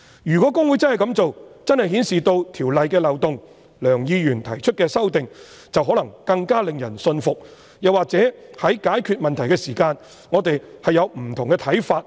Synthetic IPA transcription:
jyː˨˩kʷɔ˨˥kʊ˥ŋwu˨˧jt͡sɐ˥nhɐ˨˩kɐ˨˧˥mt͡so˨wt͡sɐ˥nhɐ˨jhi˨˥nsiː˨t̪o˧wt̪ʰiː˨˩wlɐ˨jkɛː˧lɐ˨˩wt̪ʊ˨ŋ | lœː˨˩ŋjiː˧jyː˨˩nt̪ʰɐ˨˩jt͡ʃʰɵ˥t̚kɛː˧sɐ˥wt̪ɪ˨ŋ | t͡sɐ˨wɦɔ˨˥lɐ˨˩ŋkɐ˧ŋkaː˥lɪ˨ŋjɐ˨˩nsɵ˧nfʊ˨k̚ | jɐ˨waː˨k̚t͡sɛː˨˥hɐ˨˥jkaː˨˥jkʰyː˧t̚mɐ˨nt̪ʰɐ˨˩jkɛː˧siː˨˩kaː˧n | ŋɔː˨˧t̪e˨jhɐ˨jɐ˨˧wm̩˨˩t̪ʰʊ˨ŋkɛː˧t̪ʰɐ˨˥jfaː˧t̚

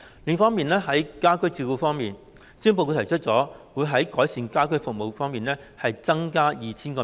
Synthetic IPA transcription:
lɪ˨˧ŋfɔː˥ŋmiː˨˩nɛː˥ɦɐ˨˥jkaː˥kɵ˥ɥt͡siː˧kuː˧fɔː˥ŋmiː˨n | siː˥np̬o˧kɵ˧t̪ʰjt͡ʃʰt̚t͡sɔː˨˥wuː˨˧jɦɐ˨˥jkɔː˨˥jsiː˧nkaː˥kɵ˥jfʊ˨k̚mo˨wfɔː˥ŋmiː˨nlɛː˥hɐ˨jt͡sɐ˥ŋkaː˥jiː˨t͡sʰiː˥nkɔː˧

